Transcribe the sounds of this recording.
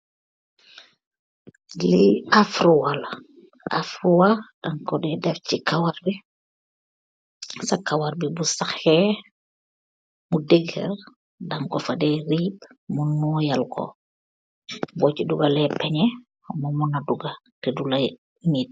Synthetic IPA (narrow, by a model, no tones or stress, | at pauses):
liafɾuwal | a̰fɾuwad̥aŋkɔdɛdɛfcikawaɾbi | sakawaɾbibusaxhɛ | mudɛɡhɛ̰r | daŋkɔfadɛɾiːb̚munːuːjalkʰɔ̰ | bɔːciduɡalɛpɛɲɛ | ɔmɔmɔnaduɡa | tɛdula | mit̚